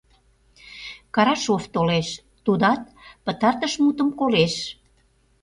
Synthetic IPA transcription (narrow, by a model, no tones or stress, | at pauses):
kɑɾɑʃoft̪oleʃ | t̪ud̪ɑt̪̚ | pət̪ɑrt̪əʃmut̪əmkoleʃ